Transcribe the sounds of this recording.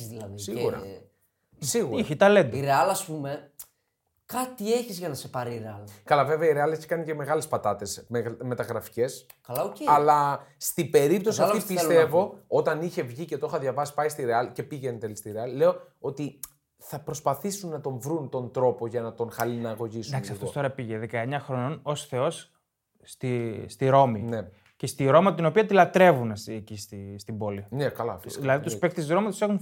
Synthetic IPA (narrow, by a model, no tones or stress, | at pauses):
zðilɐðisiɣuɾɐ̰ | siɣuɾiçit̪ɐle̞nd̪iɾeɐlɐspume̞ | kɐt̪ieçizʝɐnɐse̞pɐɾiiɾeɐlkɐlɐve̞veɐiɾeɐleçi̥kɐnice̞me̞ɣɐle̞spɐt̪ɐt̪e̞smeme̞t̪ɐɣɾɐfi̥ce̞s | kɐlɐoceɐlɐst̪ibe̞ɾipt̪o̞siɐft̪ipist̪e̞vo̞o̞t̪ɐniçe̞vʝicet̪o̞xɐðʝɐvɐsi̥pɐist̪iɾe̞ɐlice̞piʝent̪elist̪iɾe̞ɐlile̞o̞ | o̞t̪i | θɐpɾo̞spɐθisunːɐt̪o̞ɱvɾunt̪o̞nt̪ɾo̞po̞ʝɐnɐt̪o̞ŋxɐlinɐːɣo̞ʝisd̪ɐksiɐft̪ot̪oɾɐpiʝeðekɐeɲɐxɾono̞no̞sθe̞o̞sː | t̪ist̪iɾo̞mine | cest̪iɾo̞mɐt̪ino̞piɐt̪ilɐt̪ɾe̞vunsiecist̪ist̪ibo̞linekɐlɐ̰fiðilɐðit̪uspek̚t̪izɣɾomɐt̪use̞xun